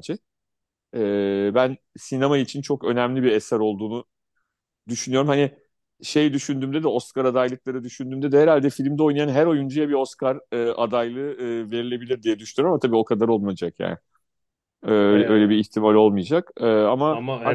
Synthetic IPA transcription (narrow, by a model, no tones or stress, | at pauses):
d͡ʒɛ | ɛːbæn | sinemait͡ʃʰint͡ʃʰo̞kø̞næmlʲibiesæɾo̞lˠd̪uːnu | d̪yʃynyjo̞ɾumhanɪ | ʃe̞jd̪yʃynd̪yːmd̪ɛd̪ɛo̞skaɾad̪ajlˠɯklˠaɾɯd̪yʃynd̪yːmd̪ɛd̪ɛheɾalʲd̪ɛfilʲimd̪ɛo̞jnajanɦæɾo̞jund͡ʒajabio̞skʰaɾɯːa̰d̪ajlˠɯɯːve̞ɾilʲe̞bilʲiɾd̪ijɛd̪yʃynyjɾmamat̪ʰabiːo̞kʰad̪aɾo̞lˠmajad͡ʒakja̰ːnɪ | øjlʲɛø̞jlʲɛbiiçt̪ʰimalʲo̞lˠmɯjad͡ʒakɯːama